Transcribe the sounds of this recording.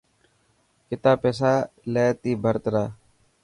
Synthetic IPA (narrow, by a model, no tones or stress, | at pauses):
kɪt̪aːpeːs̬aːleːt̪iːbʱəɾt̪ɾaː